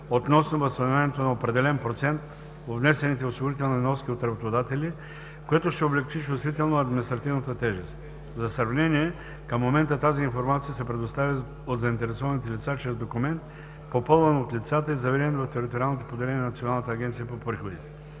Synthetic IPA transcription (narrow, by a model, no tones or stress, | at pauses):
ot̪nɔsnovɐst̪ɐnovʲanʲɛt̪onɐopɾɛd̪ɛlɛnpɾot̪sɛnt̪ | vovnɛsɛnit̪ɛosiɡoɾit̪ɛlˠnnɔsk̟ʲiot̪ɾɐbot̪od̪at̪ɛli | koɛt̪oʃt̪ɛoblɛkt͡ʃit͡ʃust̪vit̪ɛlˠnoɐd̪mʲinist̪ɾɐt̪ivnət̪ət̪ɛʒɛst̪ | zɐsɾɐvnɛniɛ | kəmːomɛnt̪ət̪aziːnfoɾmat̪sijəsɛpɾɛd̪ost̪avʲi | od̪zɐint̪ɛɾɛsɔvɐnit̪ɛlit̪sat͡ʃɾɛzd̪okumɛnt̪ | popɤlˠvɐnot̪lʲit̪sat̪əizɐvɛɾɛɛt̪ovɐft̪ɛɾit̪oɾialˠnot̪opod̪ɛlɛnʲɛnnɐt̪sionalˠnət̪əɐɡʲɛnt̪sijəpopɾixod̪it̪ɛ̥